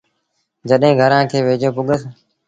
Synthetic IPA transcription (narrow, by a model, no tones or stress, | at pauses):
d͡ʒəɗɦẽːɡʱəɾãːkʰeːʋeːd͡ʒoːpʊɠəs